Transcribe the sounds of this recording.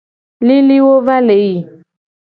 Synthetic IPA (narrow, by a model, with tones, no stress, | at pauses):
li˦li˦wo˦va˦le˨ji˨